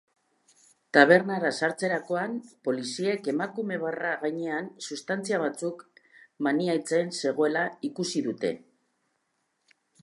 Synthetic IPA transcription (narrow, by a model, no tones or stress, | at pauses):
t̪aβ̞e̞ɾnaɾasaɾt͡se̞ɾako̞ampo̞lisie̞ke̞makume̞β̞araɣajɲe̞ansust̪ant͡siaβ̞at͡sukmaniajt͡se̞nse̞ɣo̞e̞laikusiðut̪e̞̰